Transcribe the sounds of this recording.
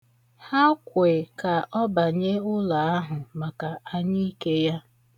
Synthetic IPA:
ha˦kʷe˨ka˨ʔɔ˦ba˨ɲe˦ʊ˦la˨a˦ɦʊ˨ma˨ka˨a˦ɲi˦i˦ke˦ja˦

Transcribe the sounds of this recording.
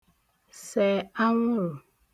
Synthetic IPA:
sɛ˨a˦ŋʷʊ˦ɾʊ˨

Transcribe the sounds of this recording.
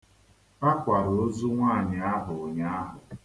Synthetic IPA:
a˦kʷa˨ɾo˨o˦zu˦ŋʷaː˦˨ɲɪ˨a˦ɦʊ˨ɲa˦ɦʊ˨

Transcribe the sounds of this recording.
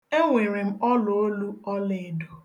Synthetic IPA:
e˦ŋʷe˨ɾe˨m̩˦ɔ˦lo˨o˦lu˦ɔ˦le˨do˨

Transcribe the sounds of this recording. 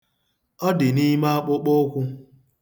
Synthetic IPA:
ɔ˦dɪ˨ni˦ma˦k͡pʊ˦k͡po˦kʷʊ˦

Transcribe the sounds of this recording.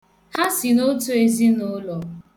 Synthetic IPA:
ha˦sɪ˨no˦tu˦e˨zi˦no˦lɔ˨

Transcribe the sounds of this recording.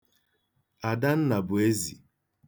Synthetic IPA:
a˨da˦n̩˦na˨bʊ˨e˦zḭ˨

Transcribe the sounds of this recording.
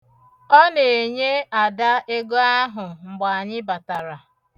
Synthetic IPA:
ɔ˦ne˨e˨ɲe˦a˨da˦e˦ɡo˦a˦ɦʊ˨ŋ͡m̩˨ɡ͡ba˨ɲɪ˦ba˨ta˨ɾa˨

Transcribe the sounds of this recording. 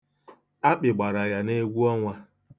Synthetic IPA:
a˦k͡pɪ˨ɡ͡ba˨ɾa˨ɣa˨ne˦ɡʷu˦ɔ˦ŋʷa˦

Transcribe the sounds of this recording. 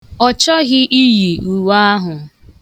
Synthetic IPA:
ɔ˨t͡ʃɔ˦ɣɪ˦ʔi˦ji˨ʔu˨wa˦a˦ɦʊ˨

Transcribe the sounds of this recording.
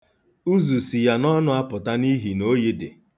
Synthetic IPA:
u˦zu˨si˨ja˨nɔ˦nʊ˦a˦pʊ˨ta˦ni˦ɦi˨no˦je˦dḛ˨

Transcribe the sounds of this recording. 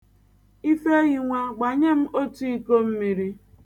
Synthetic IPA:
i˦fe˦ɣi˨ŋʷa˦ɡ͡ba˨ɲe˦m̩˦ʔo˦tu˦i˦ko˦m̩˦mi˨ɾi˦

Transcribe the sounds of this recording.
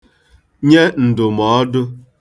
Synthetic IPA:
ɲe˦n̩˨dʊ˨mɔ˨˦dʊ˦

